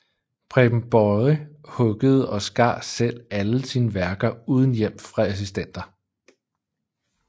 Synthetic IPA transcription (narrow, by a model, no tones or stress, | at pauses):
pʰʁɛb̥m̩b̥ɒhɔ̽ɡ̥əð̞̩ˠɒ̽sɡ̥ɑ̰̥̈ːsel̰æləsinəʋæɐɡ̥ɐuːð̞ˠn̩jem̰fʁɑ̈æs̬isd̥en̰d̥ɐ